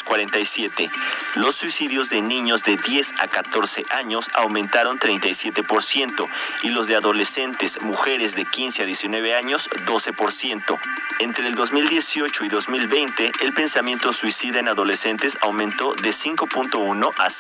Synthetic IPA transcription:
kwaɾent̪ajsje̞t̪elo̞sːwisiðjozðe̞nĩɲo̞zðe̞ðje̞sa̰kat̪o̞ɾse̞̰ʔaɲo̞sa̰wmẽnt̪aɾo̞nt̪ɾejnt̪ajsje̞t̪e̞po̞ɾsje̞nt̪o̞ilo̞zðeaðo̞le̞se̞nt̪e̞smuxe̞ɾezðe̞kinseaðje̞sinwe̞β̞e̞aɲo̞z̥ðo̞se̞po̞ɾsje̞nt̪o̞̰ | ent̪ɾeːld̪o̞zmild̪je̞sjo̞t͡ʃo̞iðo̞zmilβe̞jnt̪e̞ʔːlpe̞nsamje̞nt̪o̞swisiðaenaðo̞le̞se̞nt̪e̞sa̰wmẽnt̪o̞ðe̞siŋko̞punt̪o̞uno̞ʔas

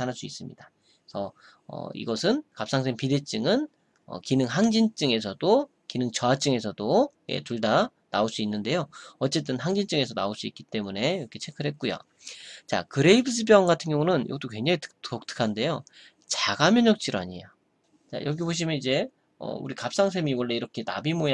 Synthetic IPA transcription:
anaɭs͈uis͈ɯmɲida | sʰʌ | ʌ̰ḭɡʌsʰɯnkap̚s͈aŋs̬ʰeŋpide̞t͡ɕ͈ɯŋɯn | ʌ̰kinɯŋɦaŋd͡ʑint͡ɕ͈ɯŋe̞sʰʌdo | kinɯŋt͡ɕʌat͡ɕ͈ɯŋe̞sʰʌdojḛtuɭdanaoɭs͈uinːɯnde̞joʌt͡ɕ͈e̞t̬͈ɯnɦaŋd͡ʑint͡ɕ͈ɯŋe̞sʰʌna̰oɭs͈uit̚k͈it͈e̞mune̞iɾʌkʰe̞t͡ɕʰe̞kʰɯɾɦe̞t̚k͈ujo̰ | t͡ɕa̰kɯɾe̞ibʰɯs̬ʰɯbjʌŋɡatʰɯnŋɡjʌŋunɯnjo̰ɡʌt͈okwe̞ŋɲd͡ʑaŋitɯ̥ktok̚t͈ʰɯ̥kʰande̞jo | t͡ɕaɡamjʌɲʌk̚t͡ɕ͈iɾoa̰ɲia | t͡ɕa̰jʌɡiboɕ̬ʰimjʌnid͡ʑe̞ | ʌ̰ṵɾikap̚s͈aŋs̬ʰe̞miwʌɭːe̞iɾʌkʰe̞na̰bimo

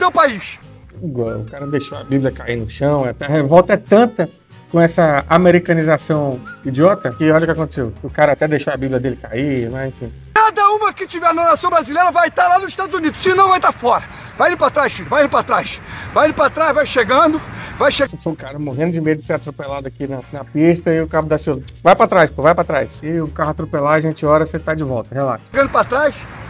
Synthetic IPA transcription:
t̪ɐ̃w̃paiʃiɡwawʊkaɾɐd̪ejʃoabiblʲjɐkainʊʃɐ̃w̃at̪ɛɐɦevɔwt̪ɐɛt̪ɐ̃t̪ɐ | kõɛsɐameɾikɐ̃nizasɐ̃w̃id͡ʒiɔt̪ɐkɪɔʎɐʊkɪakõt̪e̥sewkɪʊkaɾɐat̪ɛd̪ejʃoabibljɐd̪elɪkaimazẽfĩ | kad̪ɐũmɐkɪt͡ʃivɛnɐnasɐ̃w̃bɾazilejɾɐvajt̪alanʊziʃt̪ad̪ʊzunid̪ʊsɪnɐ̃w̃vajt̪afɔɾɐ | vajĩpɾat̪ɾajʃfilʊvajĩpɾat̪ɾajsvajiipɾat̪ɾajzvajʃeɡɐ̃d̪ʊvajʃefokaɾɐmoɦẽnd̪ʊd͡ʒɪmed̪ʊd͡ʒɪseɾat̪ɾopelad̪ʊakinɐnɐpiʃt̪ɐɪʊkabʊd̪asiolvajpɾat̪ɾajspovajpɾat̪ɾajsɪʊkaɦʊat̪ɾopelaaʒẽt͡ʃɪɔɾɐset̪ad͡ʒɪvɔwt̪ɐɦela̰t̪ɡɐ̃d̪ʊpɾat̪ɾajs

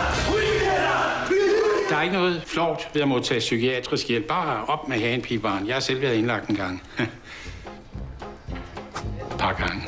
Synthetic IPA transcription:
d̥ɑ̈æɐeɡ̥ənɔ̽ːð̞̩ˠflɒʊ̰d̥ʋe̝æmo̝t͡sʰɛ̰ːsykʰiɛd̥ʁisɡ̥jel̰b̥ɑ̈ːɒ̽b̥meɦɛːnpʰib̥ɑ̈ːnjɑ̈hɑ̈sel̰ʋæːɐðˠe̝nlɑ̈ɡ̥d̥enɡ̥ɑ̈ŋ̰ | pʰɑ̈ɡ̥ɑ̈ŋə

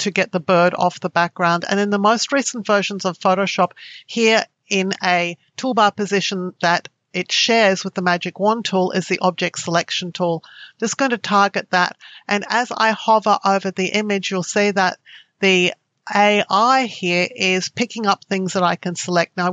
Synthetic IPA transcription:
tʰɨɡɛt̪̚ðəbɜ˞ɾɔ̰fðəbæk̚ɡ̥ɹãʊ̃ndɨ̰̃nɨ̃nðəmoʊst̚ɹisn̩tv̥ɜ˞ʃn̩zʌv̥foʊɾoʊʃɑp̚hiɹ | ɪ̃nɨtʰulˠbɑpɨzɪʃɨ̃nðɨɾ | ɨtʃɛɹzwəðəmæd͡ʒɨkwʌ̃ntʰulˠɪ̰zðiʔɑb̚d͡ʒɛk̚tsəlɛkʃn̩tʰulˠd͡ʒʌsɡ̥oʊɪ̃ntʰɨtʰɑɹɡɨt̪̚ðəɾʔɨ̃nɨza̰ɪhɑvə˞ʔoʊvə˞ðiʔɪ̃mɪd͡ʒjwəlˠseɪðət̪̚ | ði | eɪʔaɪhiɹɪz̥pʰɪkɪ̃ŋʌp̚θɪ̃ŋzðəɾaɪkɨ̃nsəlɛk̚t̚ⁿnaʊ

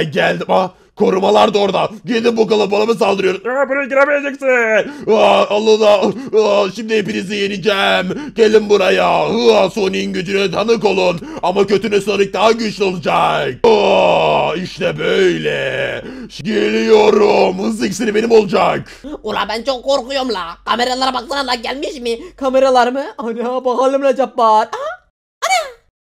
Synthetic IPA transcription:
ɟælʲd̪ima | kʰo̞ɾumalˠaɾd̪ao̞ɾd̪aɟelʲd̪ibukalˠabalˠamɯs̬alˠd̪ɯɾɯjo̞ɾumabuɾaɡiɾebilʲed͡ʒɛksi | alˠːɯd̪a | ʃimd̪iepiɾizijeɾid͡ʒɛmɟ̥elʲimbuɾajahɯaso̞nijɯnɟyd͡ʒynɛt̪ʰanɯko̞lˠun | amacʰø̞t̪ʰynøslˠaɾɯk̚d̪aɦaɟyʃlʲo̞lˠud͡ʒak̚o | iʃt̪ɛbøjlʲɛ | ɟelʲijo̞ɾumhɯzicsiɾibenimo̞lˠud͡ʒak | uɾa̰bænt͡ʃʰo̞kːo̞ɾkujomlˠakʰameɾalˠaɾabaklˠananlˠaɟælʲmiʃmɪkʰameɾalˠaɾmɯanabaɦalʲːimlʲad͡ʒap̚baɾ | ana

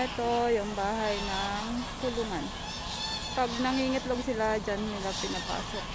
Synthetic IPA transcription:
ɛt̪ojʊŋbaːɦajnɐŋkʊluŋan | pɐɡ̚nɐŋiːŋɐt̪loɡsɪlad͡ʒanːɪlapɪnapa̰ːsok̚

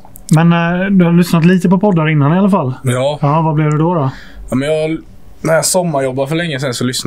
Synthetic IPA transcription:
mɛnd̪ɵhalʏsnat̪liːt̪əpɔpʰɔd̪ːaɾɪnːanɪalafalːjɑːɑːvablɪvd̪ɛd̪ɔɾɔ | amɛnjɑɡ | næɾjɑsɔmːaɾjɔbːaɾfœɭɛŋːəs̬ɛnsɔlʏsn

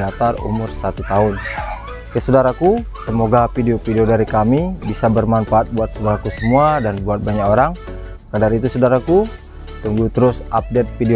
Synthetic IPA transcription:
at̪arṵmʊrsat̪ut̪aʊn | kəsədaɾaku | səmoɡafideopideodaɾikamibisabərmanfaːt̪̚buat̪̚sodaɾakusəmuadanbuat̪̚baɲakoɾaŋ | kadaɾit̪usodaɾaku | t̪uŋɡut̪əɾʊsap̚det̪̚fide

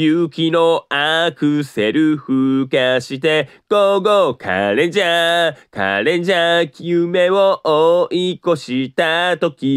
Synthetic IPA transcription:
jɯkʲinoakɯ̟seɾɯ̟ɸɯ̟kaɕit̪e̞ | ɡ̥oɡokʰa̰ɾẽɲd͡ʑaka̰ɾẽ̞ɲd͡ʑakʲiɯme̞βoʔoiko̞ɕit̪at̪o̞kʲi

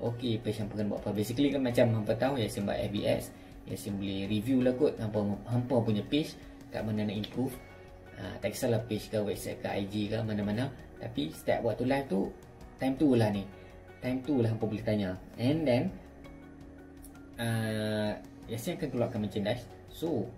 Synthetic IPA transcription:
ʔokepet͡ʃhampakanba̰ʔpabesikəlikanmat͡ʃamɦampat̪aujasinba̰ʔɛ̰fbiɛ̰s | ja̰siŋbolɪhɾivjulaɡʊt̪̚hampaɦampəp̬uɲapet͡ʃ | ka̰ʔmananaʔimpɾuf | ʔə̰t̪aksalahpet͡ʃkawɛpsɛ̰t̚kaʔa̰jd͡ʒikamanamana | t̪apist̪ɛ̰p̚waʔt̪ulajft̪u | t̪ajmt̪ulahni | t̪ajmt̪ulaɦampəbulɪht̪aɲãʔɛ̃ndɛ̃n | ə | jasiŋakankəluaʔkːanmãt͡ʃəndas | so

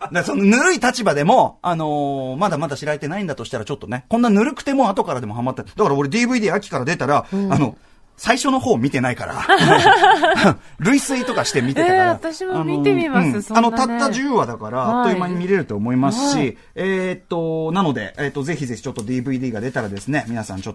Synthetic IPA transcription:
d̪asononɯ̟ɾɯit̪at͡ɕibad̪e̞mo̞ano̞mad̪amad̪aɕiɾaɾe̞t̪e̞naĩnd̪at̪o̞ɕi̥t̪aɾat͡ɕo̞t̪ːo̞nekonːanɯ̟ɾɯ̟kɯ̟̥t̪e̞mo̞at̪o̞kaɾad̪e̞mo̞ɦamat̪ːad̪akaɾao̞ɾed̪iːbɯ̟id̪iːakʲi̥kaɾad̪e̞t̪aɾaano̞ | saiɕo̞no̞ho̞ːmʲit̪e̞naika̰ɾa̰ | ɾɯ̟isɨit̪o̞kaɕi̥t̪e̞mʲit̪eeaaat̪aɕianoiɯ̃ːano̞t̪at̪ːaʑɨɯːβad̪akaɾat̪oimaɲ̟imʲiɾe̞ɾɯ̟t̪o̞ːmo̞imasɨ̥ɕi | eːt̪ːo̞nano̞d̪e̞̰eːt̪ːo̞ze̞çize̞çi̥t͡ɕo̞t̪ːo̞d̪iːbɯ̟id̪ʲiːɡad̪e̞t̪aɾad̪e̞sɨne̞mʲinasã̰ɲ̟t͡ɕot̪ːo

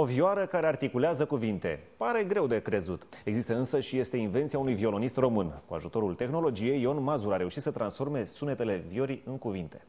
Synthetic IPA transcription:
o̞vioaɾəkaɾe̞art̪ikuleazəkuvint̪e̞̰paɾe̞ɡɾe̞wd̪e̞kɾe̞zut̪e̞ɡzist̪əɨnsəʃije̞st̪einve̞nt̪siaunujvio̞lo̞nist̪ro̞mɨnkua̰ʒut̪o̞ɾult̪e̞xno̞lo̞d͡ʒije̞jo̞nmazuɾaɾe̞uʃit̪sət̪ɾʔansfo̞rme̞sune̞t̪e̞le̞vio̞ɾiɨŋkuvint̪e̞̥

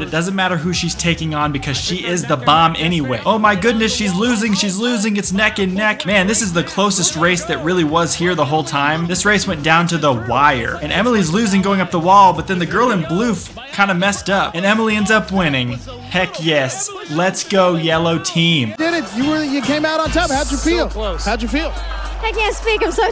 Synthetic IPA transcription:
bʌɾɨt̚d̥ʌzɨ̃nmæɾə˞ɦʉʃiz̥tʰeɪkɪ̃ŋə̃nbɨkʰʌz̥ʃiɪzðəbɑ̃mʔɛñiweɪʔoʊmaɪɡʊdⁿnɨsʃizlʉzɪ̃ŋʃizlʉzɪ̃ŋɨtsnɛkɨ̃nːɛkmæ̃nðɪsɨzðɨkʰl̥oʊsɨst̚ɹeɪsðɨt̚ɹɪlˠiwʌz̥hiɹðəɦoʊlˠtʰãɪ̃mðɪsɹeɪswɛ̃nd̥ãʊ̃ntɨðəwaɪə̰˞ɨ̃nɛml̩ˠizlʉzɪ̃ŋɡoʊɪ̃ŋʌp̚ðəwɔlˠbʌt̪̚ðɨ̃nðɨɡɜ˞lˠə̃nblʉf | kʰãɪ̃ndɨmɛstʌp̚ɨ̃nɛml̩ˠiɛ̃ndzʌpwɪ̃nɪ̃ŋ | hʰɛkjɛs | lɨtsɡ̥oʊjɛlˠoʊtʰĩmd̥ɪɾɨt̚jɨwə˞jɨkʰẽɪ̃maʊɾn̩tʰɑhaʊd͡ʒə˞filˠhaʊd͡ʒə˞filˠɛkɛ̃nspikɨ̃msoʊ

